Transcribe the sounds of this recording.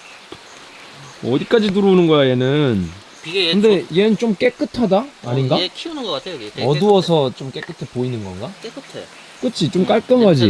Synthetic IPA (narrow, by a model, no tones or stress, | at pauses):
ʌdik͈ad͡ʑituɾounɯnɡʌjajenɯn | kɯnde̞ijenɯnt͡ɕ͈omk͈e̞k͈ɯtʰadaːɲinɡa | ʌduwʌsʰʌt͡ɕomk͈e̞k͈ɯtʰepoinɯnɡʌ̰nɡa | k͈ɯt͡ɕʰit͡ɕomk͈aɭk͈ʌnɡad͡ʑi